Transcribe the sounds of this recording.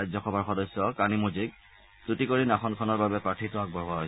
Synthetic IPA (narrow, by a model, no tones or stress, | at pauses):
ajzɔxɔbʱaɹxɔdɔsːɔkanimuziɡ | tutikoɹinaxʰɔnkʰɔnɔɹbabɛpɹatʰitʊak̚bɔɦaɦoj